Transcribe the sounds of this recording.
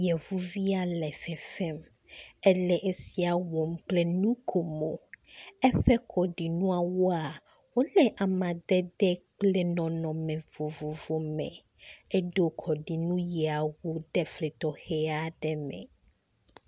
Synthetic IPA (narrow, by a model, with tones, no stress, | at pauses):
jɛ˨vu˦vi˦a˨lɛ˨fɛ˨fɛ˦m | ɛ˦lɛ˨ʔe˦si˦a˨wɔ˨mk͡plɛ˦nũ˦kʰo˨mo˨ɛ˦ɸɛ˦kʰɔ˨ɖi˨nũ˦a˨wo˦a˨ | wo˦lɛ˦ʔa˨mã˨d̪ɛ˦d̪ɛ˦k͡plɛ˦nɔ̃˨nɔ̃˨mɛ̃˨vo˨vo˨vo˨mɛ̰̃˨ | ɛ˦ɖo˦kʰɔ˨ɖi˨nũ˦jɛ˨a˨wo˦ɖɛ˨fle˨t̪ɔ˨xɛ˦a˦ɖɛ˦mɛ̰̃˨